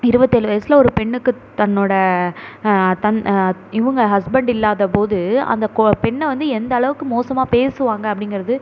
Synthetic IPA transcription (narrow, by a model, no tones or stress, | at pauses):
ɪɾɯbɐt̪ːɯɛlɯʋɐjɐsɪlɐɔɾɯpɛɳːɯkːɯ | t̪ɐnːoːɽɐ | t̪ɐnɪʋɐŋɡɐɦɐsbɐɳɖɪlːaːðɐpoːðɯɐ̰nd̪ɐkpɛɳːɐʋɐnd̪ɯɛnd̪ɐɐɭɐʋɯkːɯmoːsɐmaːpeːsɯʋaːŋɡɐɐpːɐɽɪŋɡɪɾɐðɯ